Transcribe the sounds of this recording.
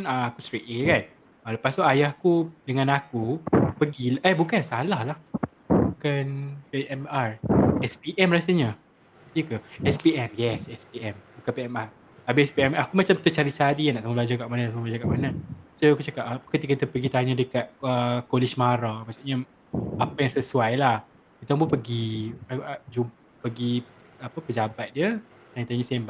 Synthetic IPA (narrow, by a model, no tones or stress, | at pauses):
naakust̪ɾeʔ̪ekan | aləpast̪uʔajahkudəŋãnakupəɡilʔɛhbukansalahlah | bukanpeʔɛmarɛspiʔɛmrasaɲə | əkəɛspiʔɛmjɛsɛspiɛmbukanpeɛmar | abeɛspiɛmakumat͡ʃamt̪ət͡ʃaɾit͡ʃaɾijanaʔsamablad͡ʒakaʔmanaasamablad͡ʒakaʔmanasokut͡ʃakap̚apkət̪ikait̪əpəɡit̪aɲadəkat̪̚əkolɪʃmaɾamasaʔɲa | apajaŋsəsuajlah | it̪aŋmbupəɡi | d͡ʒum | pəɡi | apəpəd͡ʒabat̪̚diə | t̪aɲãt̪aɲasamba